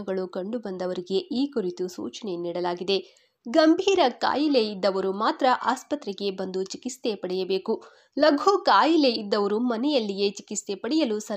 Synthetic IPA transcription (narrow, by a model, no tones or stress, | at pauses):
ɐɡɐɭukɐɳɖubɐnd̪ɐʋɐɾiɡe̞ʔiːkuɾit̪usṵːt͡ʃɐne̞niːɽɐlaːɡid̪e̞ | ɡɐmbʱiːɾɐka̰ːjile̞id̪ːɐʋɐɾumaːt̪ɾɐʔaːspɐt̪ɾɛɡe̞bɐnd̪ut͡ʃikist̪e̞pɐɽɛjɐbe̞ːku | lɐɡʱoːkaːjile̞id̪ːɐʋɐɾumɐnɛjɐlːije̞t͡ʃi̥kist̪e̞pɐɽɛjɐlusɐ